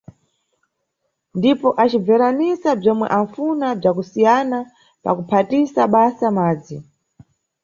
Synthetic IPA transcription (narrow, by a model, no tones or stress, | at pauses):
ndipɔʔat͡ʃib͡vɛɾanisab͡ʐɔmwɛ̰ʔaɱfunab͡ʐakusijana | pa̰kupʰatisaɓasamaːd͡zi